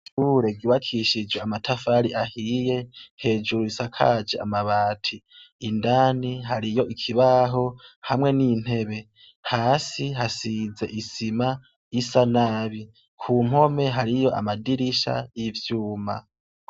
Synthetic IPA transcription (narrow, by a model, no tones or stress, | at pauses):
suɾe̞ɡiβakʰiʃid͡ʒweamatʰafaɾiʔahiːje̞he̞ːd͡ʒuɾuisakʰa̰d͡ʒea̰maβaːtʰiː | ndaːniɦaɾijo̞ʔikʰiβaɦo̞hamŋe̞niːn̥he̞βe̞ | haːsiɦasize̞ʔisima | isanaβi | kʰuːm̥ho̞me̞ɦaɾijo̞ʔa̰madiɾiʃa̰jivjuːma̰